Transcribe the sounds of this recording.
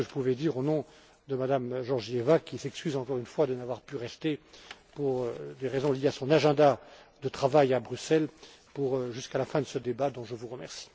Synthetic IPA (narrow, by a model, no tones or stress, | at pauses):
əʒəpuvɛd̪iʁonɔ̃ | d̪əmad̪amʒɔʁʒiɛvakʲisɛkskʲyzɑ̃kɔʁynfwad̪ənavwaʁpyʁɛst̪epuʁd̪eʁezɔ̃lijeasɔ̃naʒɛ̃d̪a | d̪ət̪χavajabʁysɛl | puʁʒyskalafɛ̃d̪əsəd̪ebad̪ɔ̃ʒəvuʁəmɛʁsi̥